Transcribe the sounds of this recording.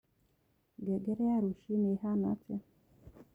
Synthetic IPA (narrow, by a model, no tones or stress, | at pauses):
ɡɛɡɛɾɛjaɾuʃiniɦana̰t͡sa